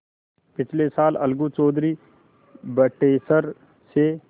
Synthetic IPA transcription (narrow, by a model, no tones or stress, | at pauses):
pɪt͡ʃʰlesaːlə̰lɡũt͡ʃɔːd̪ʱɾi | bəʈeːsəɾ | se